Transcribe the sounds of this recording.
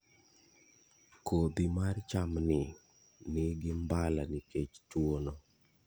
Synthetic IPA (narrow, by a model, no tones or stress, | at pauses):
kod̪imart͡ʃamnɪ | nɪɡɪmbalanɪket͡ʃtwono